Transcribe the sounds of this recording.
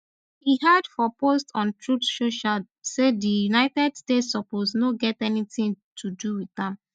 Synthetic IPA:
hihadfɔpostɔ̃ntɹutʃoʃad | sedijunaɪtɛdstetsɔposnoɡɛtɛnitĩŋtʰuduwiθãm

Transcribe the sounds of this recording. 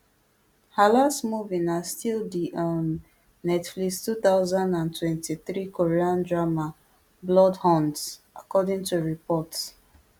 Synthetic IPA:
halastmuvĩnastildiʔɔnː | ɛtflikstuθaʊzãndãntwɛ̃ntiθɹikoɹiãndɹama | blɔdhɔ̃nts | akɔdĩŋtuɹipɔt

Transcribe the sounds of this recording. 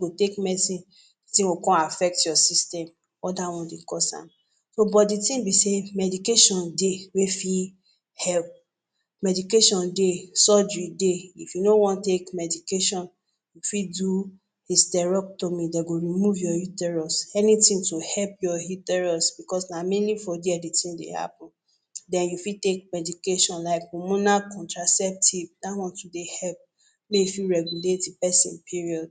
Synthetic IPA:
ɡotekmɛsi | tĩokɔ̃afɛk̚tjɔsistɛ̃m | ɔdawɔ̃dekɔsã̰m | sobɔditĩmbisemɛdikeʃɔ̃ndewefi | hɛlp̚ | mɛdikeʃɔ̃ndesɔd͡ʒɹideifjunowɔ̃ntekmɛdikeʃɔ̃n | jufidu | histɛɹɔk̚tomĩdeɡoɹimuvjɔhutɛɹɔsɛnĩtĩŋtohɛlpjɔhitɛɹɔsb̥ikɔsnamɛnifɔdeɛditĩndḛha̰pɔ̃n | dɛ̃njufitek̚mɛdikeʃɔ̃nlaɪkɔmũnakɔ̃ntɹasɛp̚tivdatwɔ̃ntudehɛlp̚ | meifiɹɛɡuletipɛsḭ̃npʰiɹiɔd

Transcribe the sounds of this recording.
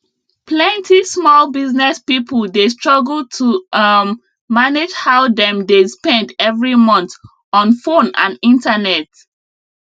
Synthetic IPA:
pʰlɛ̃ntʰismɔlbiznɛspipʰəldestɹ̥ɔɡl̩ˠtʰumː | aned͡ʒhaʊdɛ̃mdespɛ̃ndɛvɹimʌ̃nt | ɔ̃nfõnã̰nĩntanɛt

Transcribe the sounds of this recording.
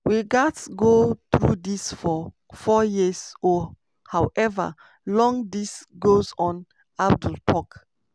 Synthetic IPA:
wiɡatɡotɹṵdisfɔ | fɔjizɔ | hawʔɛvə̰ | lɔ̃ŋdisɡozɔ̃n | ab̚dulpʰɔk

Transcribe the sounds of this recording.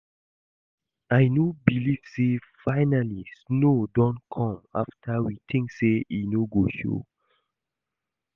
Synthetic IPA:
ajnobiliv̥sefaɪnalisnodɔ̃nkʰɔ̃ma̰ftʰawit̪ʰĩŋkseinoɡoʃo̰

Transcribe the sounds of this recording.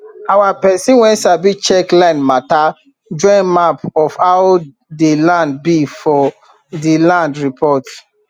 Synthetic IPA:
awapɛsĩnwɛ̃nsabit͡ʃɛklãnmata | d͡ʒɔ̃ɪ̃nmapɔfaw | delãnd̚bifɔ | delãndɹipʰɔt

